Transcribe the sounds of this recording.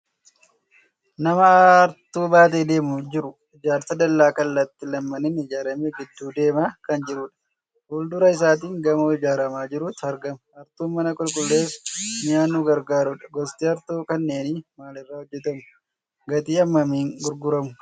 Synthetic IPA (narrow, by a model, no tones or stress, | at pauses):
nɐmɐɾt̪uːbaːt̪̬e̞ːd̪e̞ːmʊd͡ʒɪɾʊ | ɪd͡ʒaːɾt̪ɐd̪ɐlːaːkɐlːɐt̪ːɪlɐmːɐnɪnɪd͡ʒaːɾɐmeːɡɪd̪ːuːd̪e̞ːmaːkɐnd͡ʒɪɾʊᶑɐ̥ | hʊld̪ʊɾɐɪs̬aːt̪̬iːŋɡɐmoɪd͡ʒaːɾɐmaːd͡ʒɪɾʊt̪ɐɾɡɐmɐ̥ɐɾt̪uːnmɐnɐkʼʊlkʼʊlːe̞ːfmɪjaːnːuːɡɐɾɡaːɾʊᶑɐ̥ɡɔst̪iːɐɾt̪uːkɐnːe̞ːnɪmaːlɪrːaːhɔd͡ʒːɛt̪ɐmʊ | ɡɐt̪iːɐmːɐmiːŋɡʊɾɡʊɾɐmʊ